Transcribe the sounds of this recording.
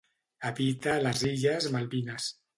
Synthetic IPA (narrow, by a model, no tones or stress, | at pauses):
aβit̪alaziʎazmalβinas